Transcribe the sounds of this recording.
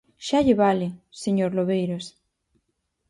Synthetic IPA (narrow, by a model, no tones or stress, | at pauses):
ʃaʎeβalɪseɲoɾloβejɾos